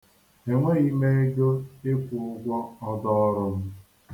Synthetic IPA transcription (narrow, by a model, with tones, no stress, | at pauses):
e˨ŋʷe˦i˦me˦e˦d͡ʒo˦e˦kʷʊ˨ʊ˦ɡʷɔ˦ɔ˦dɔ˦ɾʊ˦m̩˦